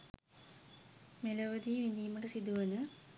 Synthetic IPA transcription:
melɐʋɐd̪iʋind̪ijmɐʈɐsid̪uʋɐnɨ

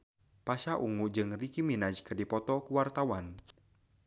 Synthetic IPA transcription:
paʃaʔuŋuʔd͡ʒɨŋrikiminad͡ʒkədipɔt̪ɔkuwart̪awan

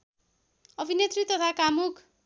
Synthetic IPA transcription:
ʌbʱinet̪rit̪ʌt̪ʰakamukʰ

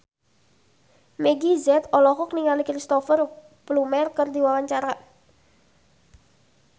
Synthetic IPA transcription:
meɡizɛt̪ɔlɔxʊk̚niŋalikɾist̪ɔfər | plumɛrkərd̪iwawaɲt͡ʃaɾa

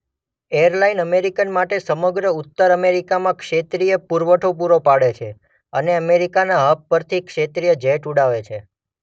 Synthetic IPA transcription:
ejəɾlainəmeɾikənmaʈesəməɡɾəut̪ːəɾəmeɾikamãkʃet̪ɾijəpuɾʋəʈʰop̬uɾopaɽet͡ʃʰe | əneəmeɾikanaɦəp̚pəɾt̪ʰikʃet̪ɾijəd͡ʒɛʈuɽaʋet͡ʃʰe

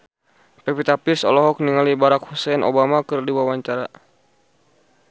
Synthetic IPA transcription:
pɛpit̪apirsɔ̰lɔɦɔk̚niŋalibaɾakhusɛnʔo̰bamakɨrdiwawaɲt͡ʃaɾa

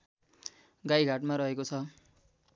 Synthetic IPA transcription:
ɡajɡʱaʈmaɾʌɦekot͡sʰʌ

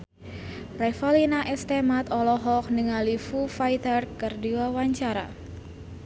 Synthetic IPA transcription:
rɛfalinaʔɛst̪emat̪ɔlɔɦɔk̚nəŋalifufajt̪ərkɨrdiwawaɲt͡ʃaɾa̰

